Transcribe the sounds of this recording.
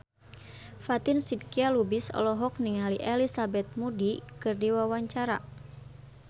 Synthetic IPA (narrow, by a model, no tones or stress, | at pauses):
fat̪ɪnsid̚kialubisɔ̰lɔɦɔk̚niŋaliʔɛlisabɛt̪̚mudikɨrdiwawaɲt͡ʃaɾa